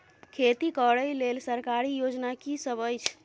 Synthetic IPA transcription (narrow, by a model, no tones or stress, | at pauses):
kʰet̪ikəɽəjlelsəɾkaɾijod͡ʒnakisəbəjt͡ʃʰ